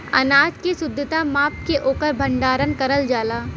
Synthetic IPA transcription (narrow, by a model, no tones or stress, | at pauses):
ɐ̰naːd͡ʒkesʊd̪ʱːət̪amaːp̚keʔoːkəɾbʱɐ̃ɳɖaːɾənkəɾəld͡ʒaːlaː